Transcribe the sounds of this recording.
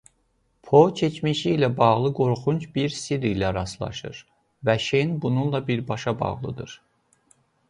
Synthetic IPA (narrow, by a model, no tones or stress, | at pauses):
pʰot͡ʃʰet͡ʃmiʃiːlæbɑʁlˠɯɡo̞ɾχunt͡ʃbiɾsiɾilæɾɑslˠɑ̰ʃɯ̰ɾ | væʃenbununlˠɑbiɾbɑʃɑbɑ̰ʁlˠɯ̰d̪ɯɾ